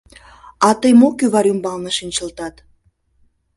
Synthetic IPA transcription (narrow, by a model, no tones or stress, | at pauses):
ɑt̪əjmokyβɑɾumbɑlnəʃinʲt͡ɕə̆lt̪ɑt̪